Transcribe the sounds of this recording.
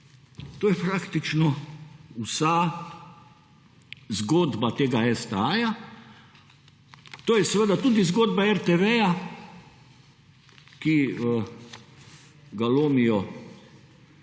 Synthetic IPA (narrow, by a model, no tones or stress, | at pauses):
t̪oːjɛpɾakt̪it͡ʃnɔusa | zɡoːd̪bat̪eːɡaɛst̪ɛaja | t̪oːjɛsɛʋəd̪at̪uːd̪izɡoːd̪̚baɛɾt̪eʋeja | kiə | ɡaloːmijɔ